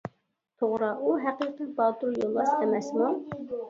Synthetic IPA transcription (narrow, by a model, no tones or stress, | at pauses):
t̪ʰoʁɾɑʔuɦæqiqəbɑt̪uɾjolˠːɑʃqɛmɛsmu